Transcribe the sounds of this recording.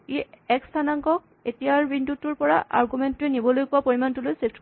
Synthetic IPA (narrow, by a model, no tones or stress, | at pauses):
iɛkstʰanaŋkɔk̚ | etijaɹbindutuɹpɔɹa̰ʔa̰ɹɡumɛntʊɛnibɔlojkʊapoɹimantulojsep̚ʰtʰ